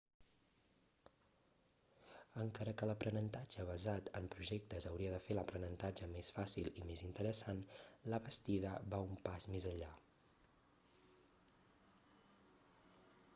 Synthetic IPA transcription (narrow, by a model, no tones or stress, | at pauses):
əŋkaɾəkələpɾənənt̪ad͡ʒəβəzat̪əmpɾuʒɛk̚t̪əzəwɾiəðəfeləpɾənənt̪ad͡ʒəmesfasilˠimezint̪əɾəsanləβəst̪iðəβaumpazmezəʎʎa